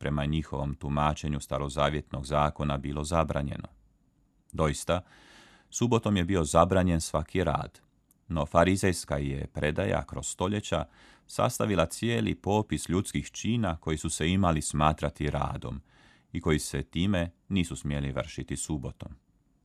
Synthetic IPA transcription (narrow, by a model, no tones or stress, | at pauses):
pɾe̞maɲixo̞ʋo̞mt̪umaːt͡ʃe̞ɲust̪aɾo̞zaːʋje̞t̪no̞ɡzaːko̞nabilˠo̞zabɾa̰ːɲe̞̰no̰ | d̪o̞jist̪a | subo̞t̪o̞mje̞bio̞zabɾaːɲe̞nsʋakʰiɾa̰ːd̪̥ | no̞faɾizejskajepɾe̞d̪a̰ja̰kɾo̞sst̪o̞ʎe̞t͡ɕa̰ | sa̰st̪aʋilˠat̪sjeːlḭpo̞ːpisʎut̪skixt͡ʃiːnako̞jisuse̞imalismaːt̪ɾat̪iɾa̰ːd̪o̞̰m | iko̞jise̞t̪iːme̞niːsusmjeliʋər̩ʃit̪isubo̞t̪o̞m